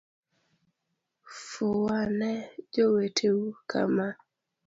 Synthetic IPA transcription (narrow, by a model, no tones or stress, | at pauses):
fʊwanɛd͡ʒowetʰewukʰa̰ma